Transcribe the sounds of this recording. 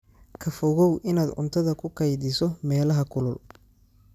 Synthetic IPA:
kʰɐfɔɣɔwʔɪnaːd̪ʊ̰nt̪ʰɐðɐkʰʊkʰɐjðɪsɔmɛːlɐɦɐkʰʊlʊl

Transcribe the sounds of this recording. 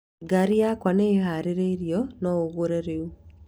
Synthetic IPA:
ɡaɾiakwaneːɦaɾeɾeiɾjɔnɔoɣoɾeɾeu

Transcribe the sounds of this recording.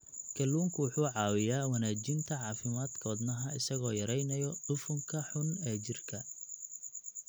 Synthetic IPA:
kʰɐlːuːŋkʰʊwʊħuːʕɑːwɪjaːwɐnaːt͡ʃɪnt̪ʰɐʕɑːfɪmaːd̪kʰɔːd̪nɐɦɐɪsɐɣɔːjɐɾɛjnɐjɔɖ̥ʊfʊŋkʰɐħʊnɛːt͡ʃɪrkʰɐ

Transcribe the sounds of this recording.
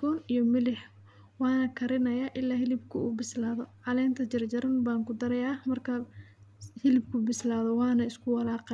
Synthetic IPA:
bɔːnijɔmɪlɪħ | wɑːnɐkʰɐɾɪnɐjaʔɪlːaːhɪlɪbkʰʊuːbɪslaːðɔʕɑlɛːnt̪ʰɐt͡ʃɐrt͡ʃɐɾɐnbaːŋkʊd̪ɐɾɐjaːmɐrkʰɐ | hɪlɪb̚kʰʊbɪslaːðɔwɑːnɐɪskʰʊwɑlaːqɛ

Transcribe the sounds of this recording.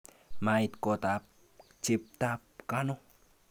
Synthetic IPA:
mait̪kot̪ap | t͡ʃip̚t̪ap̚kano

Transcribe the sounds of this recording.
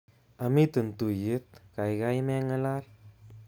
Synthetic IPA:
amit̪ənt̪ujit̪̚kajɡajmɛŋəlal

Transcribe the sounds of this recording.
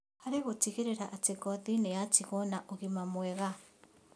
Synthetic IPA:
haɾeɣotiɣeɾeɾaʔateɡɔðinejatiɣɔnaʔoɣimamwɛɣa

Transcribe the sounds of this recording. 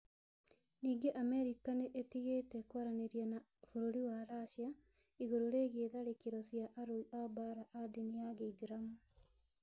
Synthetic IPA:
niːɡeʔamɛɾikaneʔetiɣeːtɛkwaɾaneɾjana | fuɾoɾiwaɾaʃja | iɣoɾoɾeːɣeðaɾekeɾɔsjaʔaɾoiʔabaɾaʔadinijaɣeideɾamo

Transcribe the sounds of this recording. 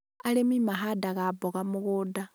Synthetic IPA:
alemimaɦadaɣaboɣamuɣuda

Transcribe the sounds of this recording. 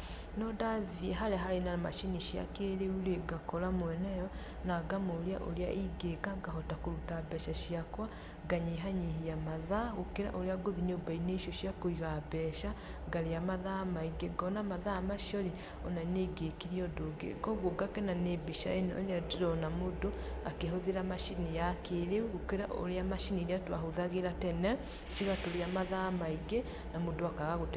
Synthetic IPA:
nɔdaðiɛɦaɾɛɦaɾenama̰ʃiniʃja̰keɾeuleɡakɔɾamwɛnɛjɔ | naɡamolea̰ʔolea̰ʔiɡeɡaɡaɦɔtakoɾutabɛʃaʃijakwa | ɡaɲeɦaɲiɦiamaðaɣokeɾa̰ʔoɾeaɡoðiɲobaineʃjɔʃiakoiɣabɛʃa | ɡaɾeamaðaːmaiɡeɡɔnamaðaːmaʃiɔɾe | ɔnaneɡekiɾiɔdoɡḛɡɔɣoɡakɛnanebiʃa̰enɛo̰ɾeadiɾɔnamodoakeɦoðeɾamaʃinejakeɾeuɣokeɾaʔo̰ɾeamaʃiniɾeatwaɦoðaɣeɾatɛnɛ | ʃiɣatoɾeamaðamaiɡe | namodoakaɣaɣot

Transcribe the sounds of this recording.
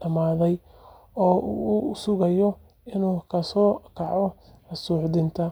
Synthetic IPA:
ɐmaːðɛj | ɔːʔuːʊsʊɣɐjɔ | ɪnuːkʰɐsɔːkʰɑʕɔ | ɐsuːʕdɪnt̪ʰɐ

